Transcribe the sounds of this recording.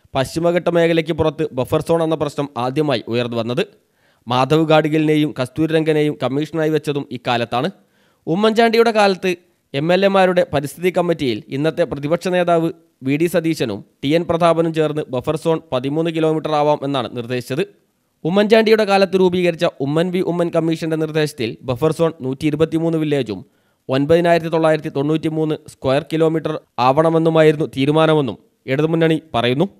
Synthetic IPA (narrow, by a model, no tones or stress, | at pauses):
pɐɕimɐɣɐʈːɐme̞ːkʰɐlek̬ʲːɨpurɐt̪ːɨbefɐrso̞ːɳenːɐprɐɕnɐmaːd̪ʱjɐmaːjiʔujɐrnːɨʋɐnːɐðɨ | maːd̪ʱɐʋɨɡaːɽiɣiline̞ːjumkɐst̪uːɾɾɐŋɡɐne̞jumkɐmːiːʂɐnaːjiʋet͡ɕːɐðumiːkaːlɐt̪ːaːɳɨ | umːɐɲd͡ʑaːɳɖijuɽe̞kaːlɐt̪ːɨ | e̞mːe̞lːe̞maːɾuɽe̞pɐɾist̪ʰiðikːɐmːitːijilḭnːɐt̪ːe̞prɐðibɐkʂɐneːðaːʋɨ | ʋiːɽisɐd̪iːɕɐnṵmʈijenprɐd̪ʱaːbɐnɐmt͡ɕe̞ːrnːɨbefɐrso̞ːɳpɐðimuːnːɨkilo̞ːmiʈːɐraːʋaːmʔe̞nːaːɳɨ̰nird̪e̞ːɕi̥t͡ɕːɐðɨ | umːɐnd͡ʑaːɳɖijuɽe̞kaːlɐt̪ːɨɾuːbiːɣɐɾit͡ɕːɐʔumːɐnʋiʔumːɐnkɐmːiːʂɐnde̞nird̪e̞ːɕɐt̪ːilbefɐrso̞ːɳnuːtːiːɾubɐt̪ːimuːnːɨʋilːe̞ːd͡ʑṵm | o̞nbɐðinaːjiɾɐt̪ːit̪o̞ɭːaːjiɾɐt̪ːit̪oɳːuːtːimuːnːɨskwɐjɐrkilo̞ːmiʈːɐraːʋɐɳɐme̞nːumaːjiɾunːut̪iːɾumaːnɐme̞nːṵm | eɽuðɨmunːɐɳipɐrɐjunːu